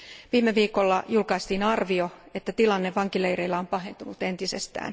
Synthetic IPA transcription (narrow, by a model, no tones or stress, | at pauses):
ʋiːmːeʋiːko̞lːɑjulkɑist̪iːnɑrʋio̞et̪ːæt̪ilɑnːeʋʋɑŋkilejɾeilːæompɑɦe̞nt̪unut̪e̞nt̪ise̞̰st̪æ̰ːn